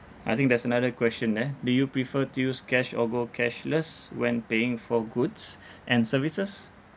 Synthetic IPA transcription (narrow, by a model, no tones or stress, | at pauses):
ʔajt̪ĩŋk̚dɛsənadəkwɛst͡ʃə̃ndɛdujupɹifətujuskɛʃɔ̰ɡokʰɛʃləswɛ̃npeɪ̃ŋfɔɡudsʔɛ̃nsəvisəs